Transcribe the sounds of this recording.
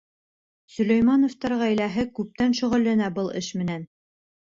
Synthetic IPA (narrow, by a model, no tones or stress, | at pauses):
sɵ̆læjmɑnŏft̪ɑɾʁæjlæɦɘkʉp̚t̪ænʃuʁɘ̆lːænæbɤlˠɘʃmɘ̆næn